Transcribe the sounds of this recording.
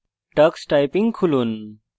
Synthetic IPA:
ʈɐksʈajpĩŋɡkʰulun

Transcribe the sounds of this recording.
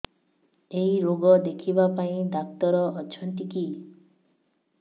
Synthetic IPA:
ejɾoɡɔd̪ekʰibapaĩd̪ak̚t̪ɔɾɔːt͡ʃʰɔnt̪iki

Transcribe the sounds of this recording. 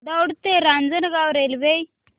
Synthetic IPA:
d̪əwɽt̪eɾand͡zənɡawɾelbej

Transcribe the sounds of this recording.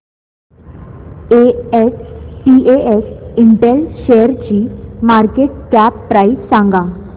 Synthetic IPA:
eespieesiɳʈɛlɕejəɾt͡ɕiːmaɾkeʈ̚kapːɾaissãŋɡa

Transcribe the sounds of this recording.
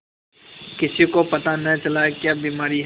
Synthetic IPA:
kɪsikopɐt̪anɐɦĩt͡ʃɐlaekjaːbiːmaːɾiɦ

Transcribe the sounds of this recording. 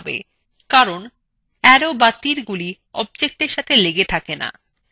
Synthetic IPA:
bḛ | kaɾon | ɛɾobat̪ːiɾɡuli | ɔ̰b̚d͡ʑek̚ʈeɾʃat̪ʰeleɡet̪ʰakena̰

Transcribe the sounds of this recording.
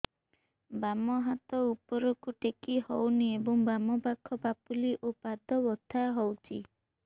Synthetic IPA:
bamɔɦat̪ɔupɔɾɔkuʈekihɔwniebɔŋbamɔpakʰːɔbapuliʔopad̪ɔbɔt̪ʰaɦɔwt͡ʃʰi

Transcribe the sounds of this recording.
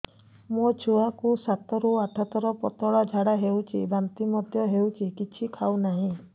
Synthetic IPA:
mot͡ʃʰuakusat̪ɔɾuaʈʰɔt̪ɔɾɔpɔt̪ɔɭad͡ʒʱaɽaɦewt͡ʃʰḭbant̪imɔd̪jɔɦewt͡ʃʰikit͡ʃʰikʰawnaɦĩ

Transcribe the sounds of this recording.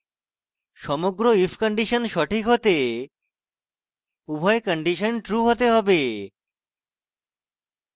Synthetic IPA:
ʃɔmoɡɾoifʰkɔɳɖiʃonʃɔʈʰikɦot̪e | ubʱɔekɔɳɖiʃonʈɾuɦot̪eɦɔbe

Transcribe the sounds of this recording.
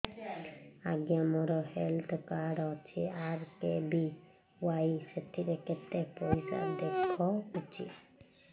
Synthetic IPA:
aɡjamɔɾɔhelt̪ʰkaɖɔt͡ʃʰiaɾkebi | waiseʈʰiɾeket̪ːepɔisa̰d̪ekʰːɔut͡ʃʰḭ

